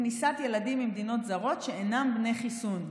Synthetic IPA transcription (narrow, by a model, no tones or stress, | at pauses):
nisat̪je̞ladimimd̪ino̞t̪zaʁo̞t̪ʃe̞enambne̞jχisun